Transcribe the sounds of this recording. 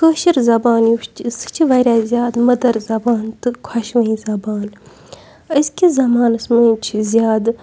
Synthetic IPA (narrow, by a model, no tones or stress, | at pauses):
kəːʃiɾzɐbaːnjuʃt͡ʃsɨ̥t͡ʃʰiʋɐɾʲaːzʲjaːd̪mɐd̪ɐɾzɐbaːnt̪ɨkʰɐʃʋɐ̃ːĩzɐbaːn | əskizɐmaːnɐsmɨ̃ːt͡ʃʰizjaːd̪